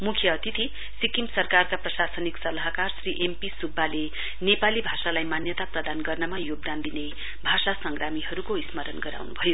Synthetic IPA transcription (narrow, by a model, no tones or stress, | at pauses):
mukʰjʌːt̪it̪ʰi | sikimsʌrkarkaprʌsasʌniksʌlaɦʌkarsriʔempisubːale | nepalibʱasalajmanjʌt̪aprʌd̪anɡʌrnʌmajoɡ̚d̪and̪ine | bʱasasʌŋɡɾamiɦʌɾukoismʌɾʌnɡʌɾa̰wnubʱʌjo